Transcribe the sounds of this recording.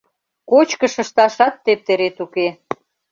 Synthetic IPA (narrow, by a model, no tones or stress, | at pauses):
kot͡ɕkə̆ʃə̆ʃt̪ɑʃɑt̪ːep̚t̪eɾet̪uke